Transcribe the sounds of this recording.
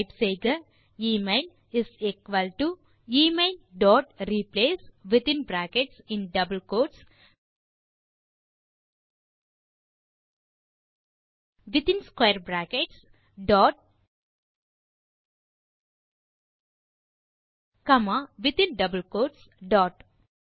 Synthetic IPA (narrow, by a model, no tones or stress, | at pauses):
pseːɡɐ | iːmeɪl | isekʋɐlʈu | iːmeɪlɖɔːʈ̚ɾiːpleːsʋit̪ĩnbɾæːkeʈsĩnɖɐbəlkoːʈs | ʋit̪ĩnskʋejəɾbɾæːkeʈs | ɖɔːʈ̚ | kɐmaʋit̪ĩnɖɐbəlkoːʈsɖɔːʈ